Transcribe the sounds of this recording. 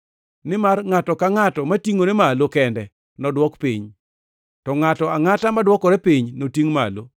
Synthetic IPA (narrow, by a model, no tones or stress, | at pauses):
nɪmarŋatɔkaŋatɔmatiŋonemalokɛndɛ | nɔdwɔkpiɲ | tɔŋatɔaŋatamadwɔkɔɾɛpiɲnotiŋma̰lo